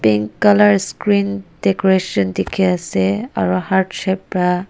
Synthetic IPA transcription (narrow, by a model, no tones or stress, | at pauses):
piŋkalaɹskɹind̥ekɔɹesɔndekʰiasɛa̰ɹuhaɹdʃɛpɹa